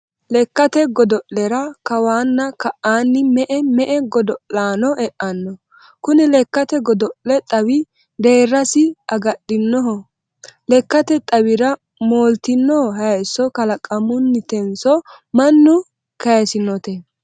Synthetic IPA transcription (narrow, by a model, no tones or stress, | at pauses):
lɛkːɐt̪ɛɡɔd̪ɔʔlɛɾɐkɐwaːnːɐkɐʔaːnːɪmɛʔɛmɛʔɛɡɔd̪ɔʔlaːnɔʔɛʔɐnːɔ | kʊnɪlɛkːɐt̪ɛɡɔd̪ɔʔlɛt̪ʼɐwɪ | d̪e̞ːrːɐsɪɐɡɐɗːɪnːɔɦɔ | lɛkːɐt̪ɛt̪ʼɐwɪɾɐ | moːlt̪ɪnːɔhɔɦɐjsɔkɐlɐkʼɐmʊnːɪt̪ɛnsɔ | mɐnːʊ | kɐjɐsɪnɔt̪ɛ